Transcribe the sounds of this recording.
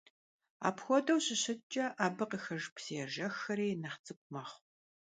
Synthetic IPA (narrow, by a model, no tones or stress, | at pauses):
a̰ːpxʷɔdɐwɕɪɕɐt͡ʃʼɐʔaːbɨqəxɐʒpʰseɛʒɐxɐɾiːnɐχt͡sʼɨk̚ʷʼmɐχʷ